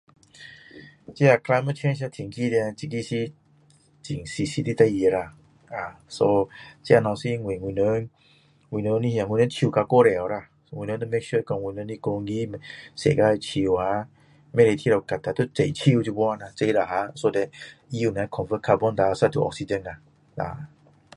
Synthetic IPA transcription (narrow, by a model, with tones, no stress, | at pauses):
t͡ɕi˦a˧˨kʰla˧jma˧˦t͡ʃʰẽ˦ns̬a˧t̪ʰi˨ŋki˦dɛ˧t͡ɕi˧ɡi˦si˦ | t͡ɕi˨˩ŋsi˧si˧t̪i˧t̪a˧e˧ɾa˧ | a˨so˧t͡ɕja˧nɔ̃˨˧˨si˦ŋwĩ˨ŋwi˧nə˧˦n | ŋwĩ˧˨nə˧˦nĩ˧hjã˨ŋwʷi˧nə̃˧˦t͡ɕʰu˧˨ka˧ko˦ɾɛ˨ɔ˨ɾa˧ | ŋwĩ˨˧nə̃˧˦d̪ɔ˦me˦kʃu˦kɔ̃˧ŋwi˧˨nə̃˧˦ni˧ko˧ŋɡi˦msḛ˨ɡa˧˦˧t͡ɕʰi˧wa˧˦ | mɛ˦˧ɾe˧t̪ʰi˦ɾa˧ka˨t̪a˨t̪o˦t͡se˨t͡ɕʰi˦u˧tu˧bwɔ̃˦˧na˧t͡se˧˦ɾa˨˧ɦa˧˦so˧dɛ˧t̚i˦u˨na˨˧˦kʰɔ̃˨nvə˦kʰa˧bɔ˦nd̪a˧˨sa˧t̪ʰu˨ʔɔ̰˧ksi˧dɛ̃˧˨na˨ | la̰˨